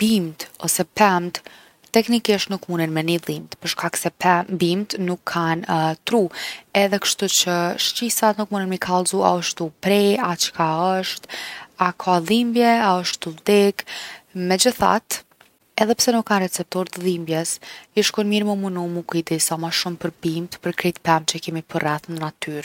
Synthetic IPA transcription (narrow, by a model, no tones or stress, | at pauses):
b̥imt̪ɔsɛpɛmt̪ | t̪ɛknikiʃt̪nukmunɛnmɛniðimt̪pəɾʃkaksɛpɛbimt̪nukʰːant̪ɾuɛðɛkə̥ʃt̪ut͡ɕəʃt͡ɕisat̪nukmunənmikʰalˠzua̰ɔʃt̪upɾɛat͡ʃkaəʃt̪akʰaðimbjɛaəʃt̪uld̪ɛkmɛd͡ʑəθa̰t̪ | ɛðɛpsɛnukːanrɛt͡sɛp̚t̪ɔɾt̪əðimbjɛsiʃkɔnmiɾmumunumukuid̪isamaʃumpəɾbimt̪pəɾkɾit̪pɛmt͡ɕəkɛmipʰərɛθnənat̪yɾ